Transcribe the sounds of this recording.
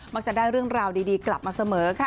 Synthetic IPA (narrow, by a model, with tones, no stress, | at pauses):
ma˥k̚t͡ɕa˨˩daː˥˩jɾɯ˥˩əŋɾaː˧wdiː˧diː˧kla˨˩p̚maː˧sa˧mɤː˩˦kʰa˦˥˩